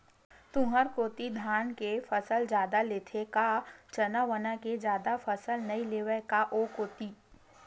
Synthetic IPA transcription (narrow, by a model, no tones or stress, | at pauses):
t̪ʊɦəɾkoːt̪id̪ʱaːnkefəsəld͡ʒaːd̪aleːt̪ʰekat͡ʃɐnaʋənaked͡ʒjaːd̪afəsəlnɐileːʋəkaʔokoːt̪iː